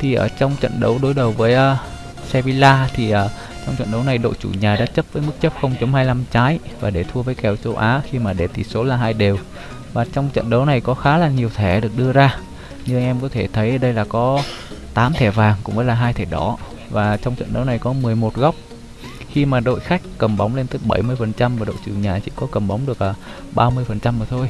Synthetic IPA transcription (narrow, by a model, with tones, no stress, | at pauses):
t̪ʰi˨˩ʔəː˧˩t͡ɕɔ˧wŋ͡mt͡ɕə̰˧˨nɗə˨˦wɗo˨˦jɗə˨˩wvəː˨˦jʔəː˧ | sɛ˧vi˧laː˧t̪ʰi˨˩ʔəː˨˩ | t͡ɕɔ˧wŋ͡mt͡ɕə̰˧˨nɗə˨˦wna˨˩jɗo̰˧˨jt͡ɕu˧˩ɲaː˨˩ɗa̰ː˧˥t͡ɕə˦˥p̚vəː˨˦jmɨ˦˥k̚t͡ɕə˦˥p̚xə˧wŋ͡mt͡ɕo˨˦mhaː˧jla˧mt͡ɕaː˨˦jvaː˨˩ɗe˧˩t̪ʰu˧əvəː˨˦jkɛ˨˩wt͡ɕə˧wʔaː˨˦xi˧maː˨˩ɗe˧˩t̪i˧˩so˨˦laː˨˩ɦaː˧jɗe˨˩w | vaː˨˩t͡ɕɔ˧wŋ͡mt͡ɕə̰˧˨nɗə˨˦wna˨˩jkɔ˨˦xaː˨˦laː˨˩ɲi˨˩əwt̪ʰɛ˧˩ɗɨ˨˩ək̚ɗɨ˧əzaː˧ | ɲɨ˧ʔɛ˧mkɔ˨˦t̪ʰe˧˩t̪ʰə˨˦jʔɗə˧jlaː˨˩kɔ˨˦ | t̪aː˨˦mt̪ʰɛ˧˩vaː˨˩ŋkʊ̰˧˥ŋ͡mʔəː˨˦jlaː˨˩ɦaː˧jt̪ʰɛ˧˩ɗɔ˧˩˦ | vaː˨˩t͡ɕɔ˧wŋ͡mt͡ɕə̰˧˨nɗə˨˦wna˨˩jkɔ˨˦mɨ˨˩əjmo˨˩t̚ɣɔ˦˥wk͡p̚ | xi˧maː˨˩ɗo̰˧˨jxa˦˥jk̟̚kə˨˩mɓa˨˦wŋ͡mle˧nt̪ɨ˨˦ɓə˧˩jmɨ˧əjfə˨˩nt͡ɕa˧mvaː˨˩ɗo̰˧˨jt͡ɕɨ̰˨˩əŋɲaː˨˩t͡ɕḭ˧˩kɔ˨˦kə˨˩mɓa˨˦wŋ͡mɗɨ˨˩ək̚laː˨˩ɓaː˧mɨ˧əjfə˨˩nt͡ɕa˧mvaː˨˩t̪ʰo˧j